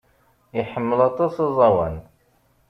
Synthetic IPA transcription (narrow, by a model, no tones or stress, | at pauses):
iħəmːəlɑt̪ˤːɑsɑzˤɑwæ̰n